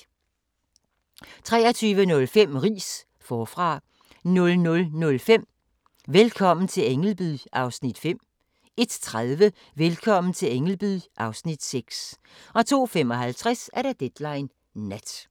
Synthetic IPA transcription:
t͡sʰʁɛ̰ːɐt͡sʰyːʋənɔ̽lfem̰ʁḭːs | fɒːfʁɑ̈ | nɔ̽lnɔ̽lnɔ̽lfem̰ | ʋelkʰɒ̽m̰n̩t͡sʰe̝leŋl̩b̥yðʔɑ̈ʊsnid̥fem̰ | e̝d̥t͡sʰʁaðˠʋə | ʋelkʰɒ̽m̰n̩t͡sʰe̝leŋl̩b̥yʔɑ̈ʊsnid̥seɡ̥s | ɒ̽t͡sʰo̝̰ːfem̰ɒ̽ɦælt͡sʰʁasæɐɾ̥ɑ̈d̥ed̥lɑ̈ɪnː | æd̥

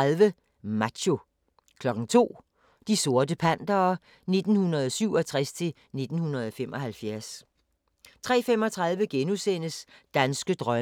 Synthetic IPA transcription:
ðˠʋə | mæ̥ɕo̝ | kʰlɒ̽ɡ̥ŋ̩t͡sʰo̝̰ː | d̥iso̝ɐdəpʰæn̰d̥ɐː | ne̝d̥n̩hunɐð̞ˠɒsyʊ̰ɒ̽t͡sʰʁast͡sʰe̝l | ne̝d̥n̩hunɐð̞ˠɒfemʔɒ̽hælfjæɐs | t͡sʰʁɛ̰ːfemɒ̽t͡sʰʁɑ̈ð̞ˠʋəɡ̥enusen̰əsd̥ænsɡ̥əd̥ʁɶ

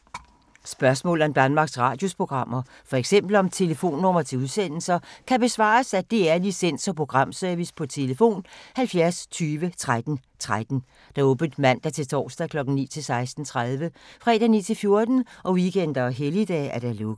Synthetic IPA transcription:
sb̥ɶɐsmɔ̰̽ːlˠɒmd̥ænmɑ̈ːɡ̥sʁɑ̰̈d̥jo̝spʰʁo̝ɡ̥ʁɑ̈m̰ɐ | fɒ̽eɡ̥sem̰b̥l̩ɒ̽mt͡sʰe̝ləfo̝̰ːnːɔmɐt͡sʰe̝uðˠsen̰l̩sɐkʰæb̥e̝sʋɑ̰̈ːsæd̥e̝æɐlisen̰sɒ̽pʰʁo̝ɡ̥ʁɑ̈m̰søɐʋispʰɒ̽t͡sʰe̝ləfo̝̰ːnhælfjæɐst͡sʰyːʋət͡sʰʁad̥n̩ | t͡sʰʁad̥n̩ | d̥ɑ̈ɔ̽ːb̥n̩d̥mæn̰d̥ɑt͡sʰe̝lt͡sʰɒ̰ːsd̥ækʰlɒ̽ɡ̥n̩nḭːt͡sʰe̝lsɑ̈ɪsd̥n̩t͡sʰʁað̞ˠʋəfʁɛ̰ːd̥ænḭːt͡sʰe̝lfjo̝ɐd̥n̩ʔɒ̽ʋiɡen̰d̥ɐɦelid̥ɛ̰ːæɐd̥ælɔ̽ɡ̥ˠ

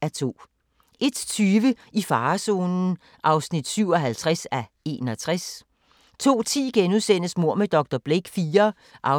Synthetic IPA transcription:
æɐt͡sʰo̝̰ː | ʔe̝d̥t͡sʰyːʋə | ifɑ̈ːso̝ːnn̩ | ʔɑ̈ʊsnid̥syʊɒ̽ɦælt͡sʰʁasæ | e̝ːnɒ̽t͡sʰʁas | t͡sʰo̝̰ːt͡sʰḭːɡ̥enuðˠsen̰əsmo̝ɐ̰med̥ɒ̽ɡ̥̚d̥ɒb̥leɡ̥fiːɐ | ʔɑ̈

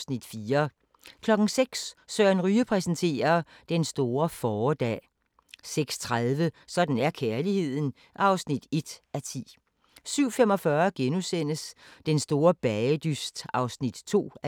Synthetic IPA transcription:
snid̥fiːɐ | kʰlɒ̽ɡ̥n̩seɡ̥ssœːnʁyːəpʰʁɛsn̩t͡sʰe̝̰ːɐ | d̥ensd̥o̝ːɐfɒːd̥ɛ̰ː | seɡ̥st͡sʰʁaðˠʋəsɒ̽d̥n̩æɐkʰæɐlihe̝ð̰ˠn̩ | ʔɑ̈ʊsnid̥e̝d̥ʔæt͡sʰḭː | syʊ̰femɒ̽fɶɐɡ̥enusen̰əsd̥ensd̥o̝ːɐb̥ɛəd̥ysd̥ɑ̈ʊsnid̥t͡sʰo̝̰ː

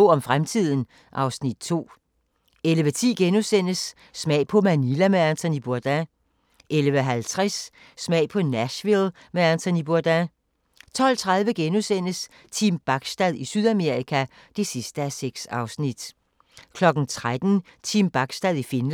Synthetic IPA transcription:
ɒ̽mfʁamt͡sʰið̞̰ˠn̩ | ʔɑ̈ʊsnid̥̚t͡sʰo̝̰ː | eləʋət͡sʰḭːɡ̥enusen̰əsː | mɛ̰ɪ̰pʰɒ̽mænilæmeænt͡sʰɒnib̥uɐd̥æ | elʋəɦælt͡sʰʁasː | mɛ̰ɪ̰pʰɒ̽næɕʋil | meænt͡sʰɔnib̥uɐd̥æ | t͡sʰɒ̽l̰t͡sʰʁað̞ˠʋəɡ̥enusen̰əs | t͡sʰimb̥ɑ̈ɡ̥sd̥æðˠisyð̞ˠæme̝ɐʁikʰæ | d̥e̝sisd̥əæseɡ̥sɑ̈ʊsnid̥ | kʰlɒ̽ɡ̥n̩t͡sʰʁad̥n̩t͡sʰimb̥ɑ̈ɡ̥sd̥æðˠifenl

